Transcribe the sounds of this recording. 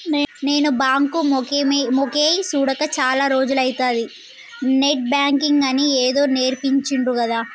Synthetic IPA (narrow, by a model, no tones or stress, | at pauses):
nne̞ːnubaːŋkumkemokeːjsuːɽɐkɐt͡ʃaːlaːɾo̞ːd͡ʒulɐjit̪aːd̪i | neʈ̚bjaːŋkiŋɡɐnieːd̪o̞ːne̞ːɾpiɲt͡ʃiɳɖɾuɡɐd̪aː